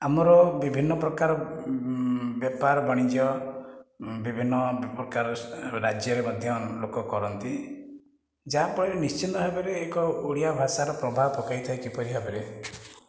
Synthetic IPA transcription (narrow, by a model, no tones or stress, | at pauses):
amɔɾɔbibʱinːɔpɾɔkaɾɔ | bjɔpaɾɔbɔɽ̃id͡ʒjɔ | bibʱinːɔpɾɔkaɾɔɾad͡ʒjɔɾemɔd̪ʱjɔlokɔkɔɾɔnt̪i | d͡ʒaapɔɽienist͡ʃʰinɔɦebeɾeːkɔuɽijabʱasaɾɔpɾɔbʱapɔkajt̪ʰajkipɔɾiɦebeɾe